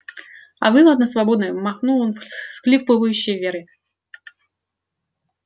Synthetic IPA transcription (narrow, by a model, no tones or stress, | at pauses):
ɐ̰vɨlˠəd̪nəsvabod̪nɨjmɐxnulˠonfsklʲipɨvəjʉɕːɪjvʲeɾɨ